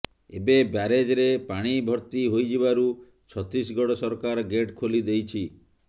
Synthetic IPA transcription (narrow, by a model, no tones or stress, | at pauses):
ḛbebaɾed͡ʒɔɾepaɽ̃ibʱɔɾt̪iɦojd͡ʒiβaɾu | t͡ʃʰɔt̪ɾisɡɔɽɔsɔɾkaɾɡeʈkʰolid̪ejt͡ʃʰi